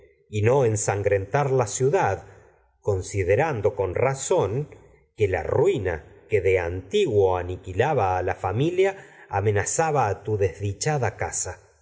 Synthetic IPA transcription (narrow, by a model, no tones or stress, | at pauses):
ino̞ensaŋɡɾe̞nt̪aɾlasjuðað | ko̞nsiðeɾand̪o̞ko̞nrasoŋ | kela̰rwina̰keðeant̪iɣwo̞anikilaβaːlafamiljaːme̞nasaβaːt̪uðezðit͡ʃaðakasa